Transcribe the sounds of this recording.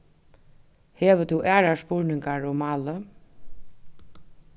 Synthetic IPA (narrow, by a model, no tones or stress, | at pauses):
heːʋət̪ʰuʔæːɹaspʊɹnɪŋkaɹʊmɑːlə